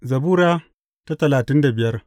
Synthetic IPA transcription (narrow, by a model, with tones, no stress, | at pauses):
zɐ˨buː˦ɾaː˦ | ta˦tɐ˨laː˨tɪ˦nda˨bɪ˨jɐ˦r